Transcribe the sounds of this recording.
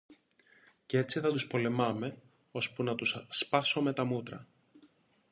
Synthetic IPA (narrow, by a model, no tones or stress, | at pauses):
ce̞t͡siθɐt̪uspo̞le̞mɐme̞ | o̞spunɐt̪usspɐso̞me̞t̪ɐmut̪ɾɐ̰